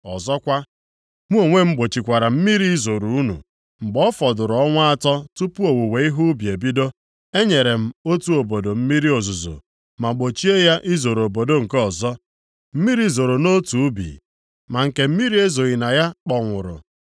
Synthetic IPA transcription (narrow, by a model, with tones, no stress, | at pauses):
ɔ̰˨zɔ˦kʷa˦ | mʷu˦o˨ŋʷe˦mŋ͡m̩˦ɡ͡bo˨t͡ʃi˨kʷa˨ɾa˨m̩˦mi˦ɾi˦i˦zo˨ɾu˨u˦nṵ˨ | ŋ͡m̩˨ɡ͡bɔ˦fɔ˨dʊ˨ɾɔ˦ŋʷa˦a˦tɔ˦tu˦pu˦o˨wu˨we˨i˦ɦu˦bi˨e˨bi˦do˦ | e˦ɲe˨ɾe˨m̩˨o˦tu˦o˨bo˨do˨m̩˦mi˦ɾi˦o˨zu˨zo̰˨ | ma˨ɡ͡bo˨t͡ʃi˦e˦ja˦ʔi˦zo˨ɾo˨bo˨do˦ŋ̩˨kɔ˨zɔ˦ | m̩˦mi˦ɾi˦zo˨ɾo˨no˦tu˨u˦bḭ˨ | ma˨ŋ̩˨ke˨m̩˦mi˦ɾi˦e˦zo˨ɣi˨na˨ja˦k͡pɔ˨ŋʷʊ˨ɾʊ̰˨